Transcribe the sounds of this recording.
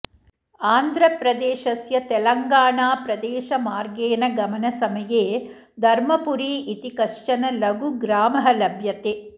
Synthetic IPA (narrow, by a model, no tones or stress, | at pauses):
aːnd̪ʱɾɐpɾɐd̪eːʃɐsjɐt̪ɛlɐŋɡaːɳaːpɾɐd̪ɛːʃɐmaːɾɡeːnɐɡɐmɐnɐsɐmɐjeː | d̪ʱɐɾmɐpuɾiːʔit̪ikɐʂt͡ʃɐnɐlɐɡuɡɾaːmɐɦɐlɐbʱjɐt̪eː